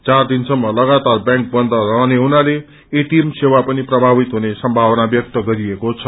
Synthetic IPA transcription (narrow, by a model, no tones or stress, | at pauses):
t͡sard̪insʌmːʌlʌɡat̪arbjãŋk̚bʌnd̪ʱʌɾʌɦneɦunaleː | ʈiemsewapʌniprʌbʱabit̪ɦunesʌmbʱawʌnabjʌk̚t̪ʌɡʌɾiekot͡sʰʌ